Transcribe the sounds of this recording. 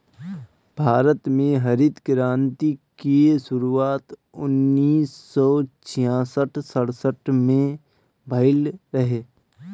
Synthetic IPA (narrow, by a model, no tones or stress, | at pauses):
bʱaːɾət̪mẽɦɐɾɪd̪ɡɾãːnt̪ikesʊɾuaːt̪ʊnːiːsːɔːt͡ʃʰijãːsəʈʰsəɽsəʈmẽ | bʱəɪlɾɐɦeː